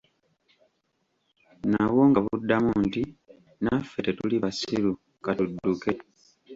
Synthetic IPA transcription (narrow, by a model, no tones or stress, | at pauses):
nawo̞ŋɡaβudːamunti | nafːetetuliβasilu | katudːuke̞